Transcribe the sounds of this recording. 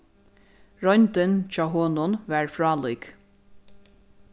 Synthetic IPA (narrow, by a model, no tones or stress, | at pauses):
ɹɔjnt̪ɪnt͡ʃɑːɦoːnʊnʋæːɹfɹɑːlujk